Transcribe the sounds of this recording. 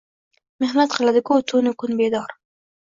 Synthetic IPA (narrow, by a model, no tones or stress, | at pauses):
mɪhmat̪qalad̪əkot̪unokunbed̪ɑːɾ